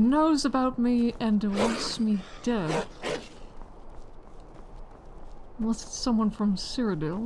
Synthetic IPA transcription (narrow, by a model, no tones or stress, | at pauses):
noʊzɨbaʊt̚miɨ̃nwʌsmid̥ɛd̥ | wʌssʌ̃mwʌ̃nfɹʌ̃msɪɹɨdɪlˠ